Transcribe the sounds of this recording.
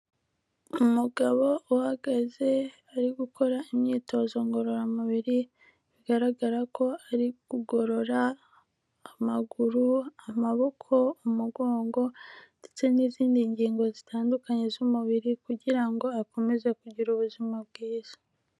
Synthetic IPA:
umuɡaβo̞uhaɡaze̞ | aɾiɡukʰo̞ɾaimɲiːto̞ːzo̞ŋɡo̞ɾo̞ɾamuβiɾi | βiɡaɾaɡaɾako̞aɾiɡ̥uɡo̞ɾo̞ɾaː | maɡuɾuamaβo̞kʰo̞umuɡo̞ːŋɡo̞ndet͡se̞niziːndiɲɟiːŋɡo̞zitʰaːndukaɲe̞zumuβiɾikuɟiɾaŋɡo̞ako̞me̞ze̞kuɟiɾuβuzimabɡiːz̥ḁ

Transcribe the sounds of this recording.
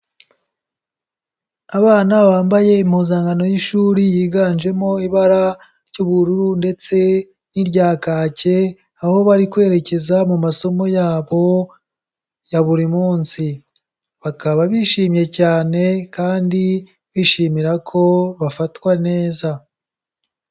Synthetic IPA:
aβaːnaβaːmbaje̞imhuːzaːŋɡano̞jiʃuːɾijiːɡaːnd͡ʒe̞mo̞iβaɾa | ɾjuːβuɾuɾunde̞t͡se̞ | niɾɟaːkaːce̞ | aho̞βaɾikwe̞ːɾe̞ce̞zamumaso̞mo̞jaːβo̞ | jaβuɾimuːnsi | βakaβaβiʃiːmje̞caːne̞kaːndi | βiʃiːmiɾakʰo̞βafatwane̞ːza

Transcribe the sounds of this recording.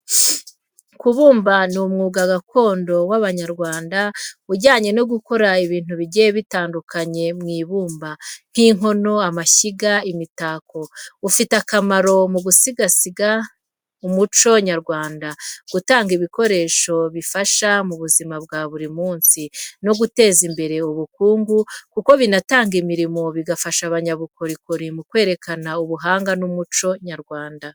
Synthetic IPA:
kuβuːmbanumŋuːɡaɡakʰo̞ːndo̞waβaɲaɾɡwaːndauɟaːɲe̞no̞ɡuko̞ɾaiβiːn̥huβiɟejeβitaːndukaɲe̞mŋiːβuːmban̥hiːŋɦo̞no̞amaçiɡaimitako̞ufitakamaɾo̞muɡusiɡasiɡa | umut͡ʃo̞ɲaɾɡwaːndaɡ̥utaːŋɡiβiko̞ɾe̞ːʃo̞βifaʃamuβuzimab̚ɡaːβuɾimuːnsino̞ɡute̞ːzimbe̞ɾe̞uβukuːŋɡukuko̞βinataːŋɡimiɾimo̞βiɡafaʃaβaɲaβukoɾikuɾimukwe̞ːɾe̞kʰanauβuɦaːŋɡanumut͡ʃo̞ɲaɾɡwaːnda

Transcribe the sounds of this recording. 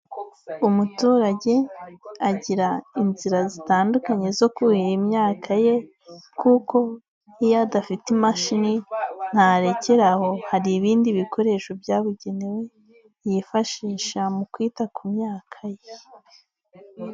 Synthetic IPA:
umutuːɾaɟe̞aɟiɾainziɾazitaːndukaɲe̞zo̞kuhiɾimɲaːkʰaje̞ | kʰuko̞ | ijadafitimaʃinin̥haɾe̞ce̞ɾaho̞haɾiβiːndiβiko̞ɾe̞ʃo̞bjaːβuɟe̞newe | jifaʃiːʃamukwiːtakʰumɲaːkʰaje

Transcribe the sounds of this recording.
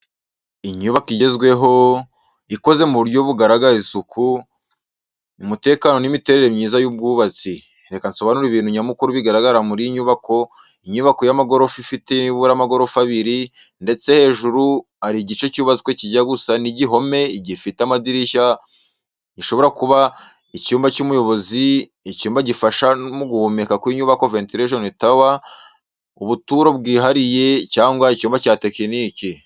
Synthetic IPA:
iɲuβakiɟezɡwe̞ɦo̞ | iko̞ze̞muβuɾjo̞βuɡaɾaɡaɾisukʰu | imute̞ːkano̞nimite̞ɾe̞ɾemɲiːzajub̚ɡuːβat͡si | ɾe̞kansoβanuɾiβiːnhuɲamukuɾuβiɡaɾaɡaɾamuɾiɲuβako̞ | iɲuβako̞jamaɡo̞ɾofifiteimiβuɾamaɡo̞ɾo̞faβiɾi | nde̞t͡se̞he̞ːʒuɾu | aɾiɟit͡ʃe̞cuːβazikweciɟaɡusaniɟiɦo̞me̞ɟifiteamadiɾiʃa | iʃo̞βo̞ɾakuβa | icuːmbacumujo̞βo̞zi | icuːmbaɟifaʃamuɡuhumekakwiɲuβako̞ventiɾeʒonitawa | ṵβutuːɾo̞b̚ɡiːɦaɾije̞caːŋɡwaicuːmbacaːte̞kiniki

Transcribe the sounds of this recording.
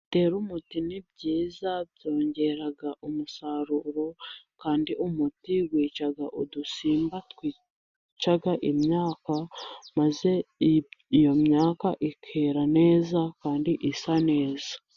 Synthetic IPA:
te̞ːɾumutinib̚ɟiːzabjo̞ːɲɟe̞ɾaɡaʔumusaɾuɾo̞kaːndiʔumutiwiːt͡ʃaɡaʔudusiːmbatwiː | t͡ʃaɡaʔimɲaːkamaze̞ | ijo̞mɲaːkaʔikʰeɾane̞ːzakaːndiʔisane̞ːza

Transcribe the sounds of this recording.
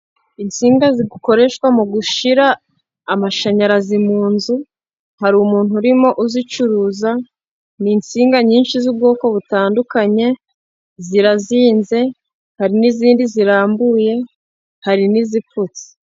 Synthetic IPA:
int͡siːŋɡaziɡuko̞ɾe̞ʃkwamuɡuʃiɾaː | maʃaɲaɾazimuːnzu | haɾumuːn̥huɾimo̞ʔuzit͡ʃuɾuːza | nint͡siːŋɡaɲiːnʃizub̚ɡo̞ːko̞βutaːndukaɲe̞ | ziɾaziːnze̞ | haɾiniziːndiziɾaːmbuːje̞ | haɾiniziput͡se̥

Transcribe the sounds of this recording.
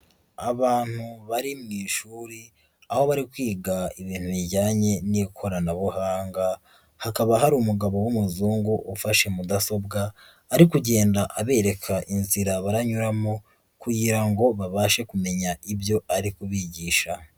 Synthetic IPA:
aβaːn̥huβaɾimŋiːʃuːɾi | aho̞βaɾikwiːɡaiβiːn̥huβiɟaːɲe̞nikʰo̞ɾanaβuhaːŋɡa | hakaβaɦaɾiumuɡaβo̞wumuzuːŋɡuʔufaʃe̞mudaso̞b̚ɡaː | ɾikuɟe̞ːndaʔaβe̞ːɾe̞kʰaʔinziɾaβaɾaɲuɾamo | kuɟiɾaŋɡo̞βaβaːʃe̞kume̞ɲaibjo̞ʔaɾikuβiɟiːʃa

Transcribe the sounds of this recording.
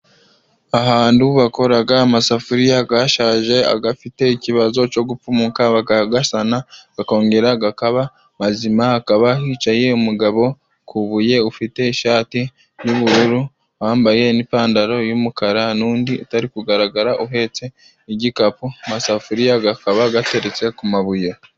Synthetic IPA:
aɦaːnduβako̞ɾaɡaːmasafuɾijaɡaʃaːʒe̞a̰ɡafite̞iciβazo̞t͡ʃo̞ɡupumukaβakaɡasanaɡ̥ako̞ːŋɡe̞ɾaɡakaβa | mazimaːkaβahiːt͡ʃaje̞umuɡaβo̞ | kʰuβuje̞ufite̞iʃaːti | juβuɾuɾu | waːmbaje̞nipaːndaɾo̞jumukaɾanuːndiataɾikuɡaɾaɡaɾaʔuɦe̞ːt͡se̞ | iɟikapuamasafuɾijaɡakaβaɡate̞ɾe̞t͡se̞kumaβuje

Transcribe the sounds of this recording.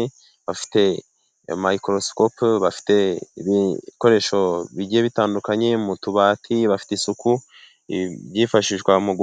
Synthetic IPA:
βafi̥te̞ | maikɾoskopβafi̥te̞βiko̞ɾe̞ʃo̞βiɟieβitaːndukaɲe̞mutuβaːtʰiβafi̥teisuku | βjiːfaʃiʒɡwamuɡ

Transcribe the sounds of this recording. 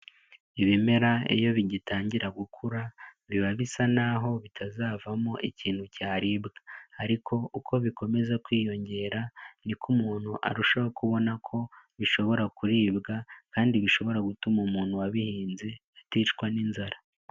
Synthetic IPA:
iβime̞ɾaḛjo̞βiɟitaːɲɟiɾaɡukʰuɾaβiβaβisanaɦo̞βitʰazaːvamoʔiciːn̥hucaːɾibɡaaɾikʰo̞ukʰo̞βiko̞me̞zekwiːjo̞ɲɟe̞ːɾanikʰumuːn̥huʔa̰ɾuʃaokuβo̞nakʰo̞βiʃo̞βo̞ɾakuɾiːbɡakaːndiβiʃo̞βo̞ɾaɡutumumuːnhuwaβihiːnze̞atiːt͡ʃkwaninzaɾa

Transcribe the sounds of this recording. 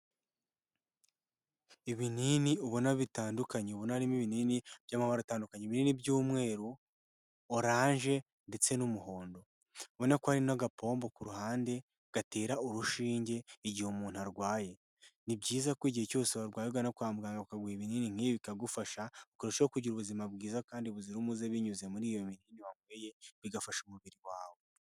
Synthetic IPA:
iβininiuβonaβitaːndukaɲeuβonaɾimiβininibjaːmaβaɾataːndukaɲeiβininibɟuːmŋe̞ːɾu | oɾaːɲʒe̞ | nde̞t͡se̞numuho̞ːndo̞ | βo̞nakohaɾinaɡapʰo̞ːmbo̞kuɾuhaːnde̞ | ɡ̥ate̞ːɾauɾuʃiːɲɟe̞iɟihumuːn̥uaɾɡwaːje̞ | nibɟiːzakwoiɟiheco̞ːseβaɾɡwaːjeɡwanakwamuɡaːŋɡaβakaɡwiiβininiŋ̥iβikaɡufaʃaokuɾeʃeokuɟiɾuβuzimabɡiːzakaːndiβuziɾumuzeβiɲuzemuɾiːjomininiβamweːje̞βiɡafaʃumuβiɾiwaːβo̞

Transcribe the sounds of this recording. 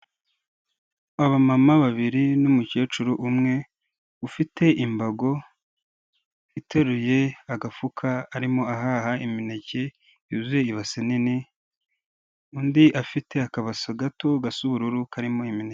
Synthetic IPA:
aβamamaβaβiɾinumuce̞ːt͡ʃuɾuʔumŋe̞ | ufitʰe̞ʔimbaɡo̞ | ite̞ɾujeaɡafukʰaːɾimo̞aɦaɦaiminece | izujeiβasenini | undiʔafite̞akaβasoɡatoɡasuβuɾuɾukaɾimo̞imine

